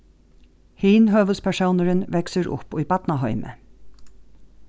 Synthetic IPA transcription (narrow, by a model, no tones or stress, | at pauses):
hiːnɦøːʋʉspʰæʃoʊnəɾənʋɛksəɾʊ̰pyːbɑt̪nɑɦœʏmə̰